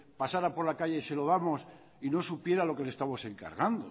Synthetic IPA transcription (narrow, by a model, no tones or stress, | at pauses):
pasaɾapo̞ɾlakaʝe̞se̞lo̞ðamo̞s | ino̞supje̞ɾalo̞kelest̪amo̞se̞ŋka̰ɾɣand̪o